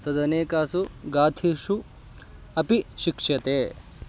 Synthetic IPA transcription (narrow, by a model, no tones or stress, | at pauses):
t̪ɐd̪ɐneːkaːsuɡaːt̪ʰiʂu | ɐpiʃikʂjɐt̪eː